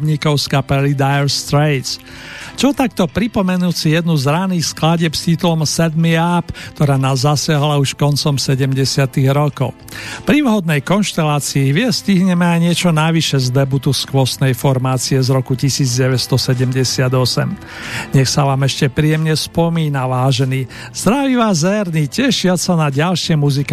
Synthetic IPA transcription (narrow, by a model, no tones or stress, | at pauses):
bɲikɔʊskapɛlid̪ajɛɾst̪ɾɛj̪t͡s | t͡ʃɔt̪ak̚t̪ɔpɾipɔmɛnusijɛd̪nuzɾaniːxsklaɟɛpscit̪ulɔmsɛd̪miapkt̪ɔɾaːnaːzːasɪaɦlauʃkɔnt͡sɔmsɛɟɛmɟɛsɪat̪iɣɾɔkɔ̰ʊpɾiʋɦɔd̪̚nɛjkɔnʃt̪ɛlaːt͡siiɦʋɪɛsciɦɲɛmɛajɲɪɛt͡ʃɔnaʋiʃɛzd̪ɛbut̪uskʋɔsnɛjfɔɾmaːt͡siɛzɾɔkucisiːd͡zɟɛʋɛcst̪ɔsɛɟɛmɟɛsɪad̪ɔsɛ̰m | ɲɛxsaʋaːmɛʃcɛpɾijɛmɲɛspɔmiːnaʋaːʒɛniː | z̥d̪ɾaʋiʋaːzɛɾnicɛʃɪasanaɟalʃɪɛmuzik